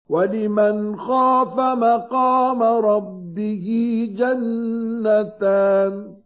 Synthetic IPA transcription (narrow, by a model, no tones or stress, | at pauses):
walɪmanxaːfamaqɑːmaɾˤɑbːɪhɪd͡ʒanːat̪aːn